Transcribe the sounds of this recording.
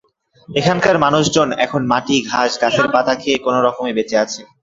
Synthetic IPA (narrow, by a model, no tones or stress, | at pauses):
ekʰankaɾmanuʃd͡ʑonɛ̰kʰonmaʈiɡʱaʃɡat͡ɕʰeɾpat̪ʰakʰekonoɾɔkomebet͡ɕeat͡ɕʰe